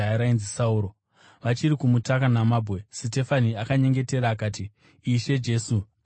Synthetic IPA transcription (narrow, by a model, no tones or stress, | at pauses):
aɾainzisauːɾo̞ | ʋat͡ʃiɾikumutakanamaːbʱwe̞site̞faniakaɲe̞ŋɡe̞te̞ɾaːkaːtiː | ʃe̞d͡ʒe̞ːsu